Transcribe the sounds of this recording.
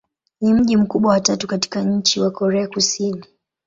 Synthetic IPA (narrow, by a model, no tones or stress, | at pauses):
nim̩ʄim̩kuɓwawatatukati̥kaɲ̩t͡ʃiwakɔɾɛakusini